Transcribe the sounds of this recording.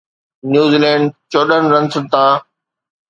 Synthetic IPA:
njuːziːlɛ̃ːɳɖ̚t͡ɕoːɗənɾə̃nsət̪ãː

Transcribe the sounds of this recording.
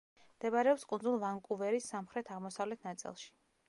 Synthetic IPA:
md̪̥ɛbaɾɛɔpskʼund̪zulˠvaŋkʼuvɛɾisːamχɾɛt̪ʰaʁmɔsavlɛt̪ʰnat̪sʼḭlˠʃi̥

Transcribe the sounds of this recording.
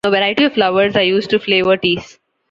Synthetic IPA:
noːʋɛɾaɪʈiɔʋflaʊʋəɾzajuːsʈʈufleːʋəɾʈiːs

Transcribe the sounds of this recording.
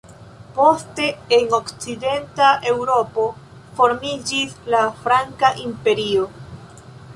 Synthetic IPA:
po̞ste̞eno̞kt͡side̞ntae̞wɾo̞po̞ | fo̞ɾmid͡ʒislafɾaŋkaʔimpe̞ɾio̞

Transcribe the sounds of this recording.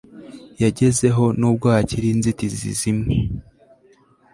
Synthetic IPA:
jaɟe̞ze̞ɦo̞nub̚ɡwaːciɾinzitizḭzime

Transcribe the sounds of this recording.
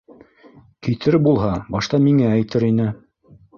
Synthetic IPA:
kit̪ʰɘɾbulˠɦɑbɑʃt̪ɑmiŋææjt̪ɘɾinɘ

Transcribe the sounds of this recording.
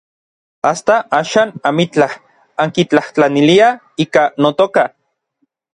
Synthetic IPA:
ast̪aʔaːʃaːnamit͡ɬah | aŋkit͡ɬaht͡ɬanilia | iːkanot̪oka

